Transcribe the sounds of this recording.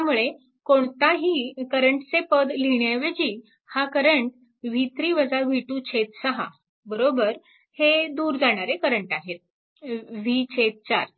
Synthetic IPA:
t̪jamuɭe | koɳt̪aɦiːkəɾəɳʈt͡sepəd̪liɳjaʋed͡ʑiː | hakəɾəɳʈ | ʋit̪ɾiːʋəd͡zaʋʱiʈuːt͡ɕʰet̪səɦa̰ | bəɾobəɾ | hed̪uːɾd͡zaɽ̃aɾekəɾəɳʈaɦet̪̚ | ʋit͡ɕʰet̪̚t͡ɕa̰ɾ

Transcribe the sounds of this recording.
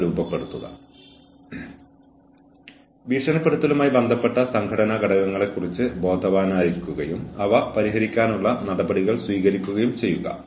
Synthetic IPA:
ɾuːbɐpːe̞ɽut̪ːuɣɐ̰ | ʋiːʂɐnɐpːeɽut̪ːɐlumaːjibend̪ʱɐpːe̞ʈːɐsɐŋkʰɐɽɐnɐɡɐɽɐɣɐŋːɐɭe̞kːurit͡ɕːɨbo̞ːd̪ʱɐʋaːnaːɾikʲːuɣɐjumɐʋɐpɐɾiɦɐɾikʲːaːnuɭːɐnɐɽɐbɐɽiɣɐɭswiːɣɐɾikʲːuɣɐjumt͡ɕe̞jːuɣɐ̰

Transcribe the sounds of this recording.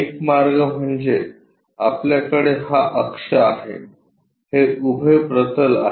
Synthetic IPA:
ekmaɾɡəm̤əɳd͡ze | apljakəɽeɦaʔəkʂəaɦḛ | heubʱəjpɾət̪əla̰

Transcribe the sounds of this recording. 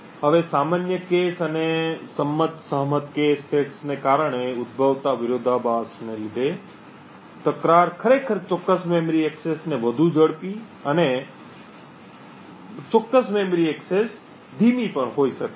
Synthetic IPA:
ɦəʋesamanjəkesənesəmːət̪səɦmət̪kesʈeʈsnekaɾəɳ̃eʊd̪̚bʱəʋt̪aʋɪɾod̪ʱabasnelid̪ʱe | t̪əkɾaɾkʰəɾekʰəɾt͡ʃɔkːəsmemɾieksesneʋəd̪ʱũd͡ʒəɽpi | əne | t͡ʃɔkːəsmemɾiekses | d̪ʱimipəɳɦoiʃəke

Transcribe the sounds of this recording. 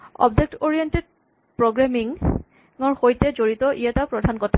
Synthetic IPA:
ɔ̰b̚dek̚toɹijented̚ | pɹoɡɹamiŋ | ɔɹxojtɛzoɹitɔʔijatapɹɔdʱankɔtʰa

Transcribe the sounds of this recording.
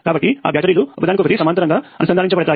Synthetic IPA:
kaːbɐʈːia̰ːbʱjaːʈɐɾiːluɔ̰kɐd̪aːnkɔkɐt̪isɐmaːt̪ɐɾɐŋɡaːɐ̰nusɐnʱaːiɲt͡ʃɐpɐɽɐt̪aː

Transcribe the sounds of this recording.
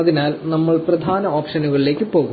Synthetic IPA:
ɐðinaːlnɐmːɐɭprɐd̪ʱaːnɐoːpʂɐnuɣɐɭile̞ːkʲːɨpo̞ːɣu

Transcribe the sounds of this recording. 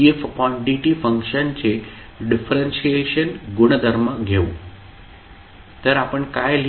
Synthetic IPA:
efkɔ̃ɳɖiʈifə̃ŋkʃənt͡ɕe | ɖɪfʰɾẽnʃieʃənɡʊɽ̃əd̪ʱəɾmãɡʱeu | t̪əɾaːpəɳkaːel

